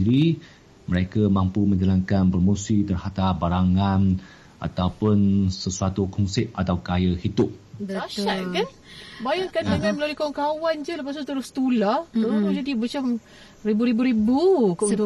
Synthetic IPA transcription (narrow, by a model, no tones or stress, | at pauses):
iɾi | məɾekamãmpumə̃ɲd͡ʒalaŋkanpəɾomosit̪ərhat̪abaɾaŋãn | ʔa̰t̪awpʊnsəsuat̪ukʰɔnsɪp̚at̪awkajahid̪ʊp̚aʃaʔkan | bajakand̪əŋãnməlalihkawaŋkawand͡ʒələpas̬ut̪uɾʊst̪ulaht̪uad͡ʒadimat͡ʃam | ribuɾibuɾibukut̪